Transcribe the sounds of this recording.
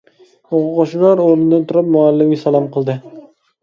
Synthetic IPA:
oʁʊqoʃlɑɾoɾɨnɨd̪ɨnt̪ʰʊɾɑp̚moalːɪmɡʲɛsɑlˠɑmqʰəlˠd̪ɨ

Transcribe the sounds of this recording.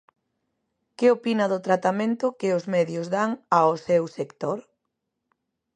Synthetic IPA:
keopinɐðʊt̪ɾat̪amẽnt̪ʊkɪʊzmɛðjʊzðaŋaosɛwsekt̪oɾ

